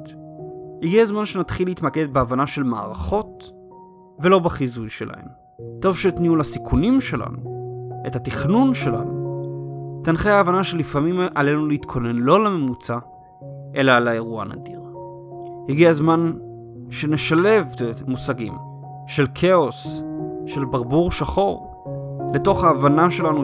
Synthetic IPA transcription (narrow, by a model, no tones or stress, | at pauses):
hiɡiazmanʃenat̪χilːeit̪maked̪̚beavanaʃe̞lma̰ːʁaχo̞t̚ | ve̞lo̞baχizujʃe̞̰lʔa̰hḛm | to̞vʃet̪niulasikʰunimʃe̞lʔa̰nuethat̪iχnunʃe̞la̰nu | t̪anχejaːvanaʃe̞lifamimʔale̞nuleit̪kʰo̞ne̞nlo̞leme̞mut͡sa | ʔe̞lalaeʁuaana̰diʁ | hiɡiazman | ʃe̞neʃale̞vmusaɡḭm | ʃe̞lkʰe̞o̞sʃe̞lbaʁbuʁʃaχo̞ʁ | le̞to̞χhaːvanaʃe̞lanu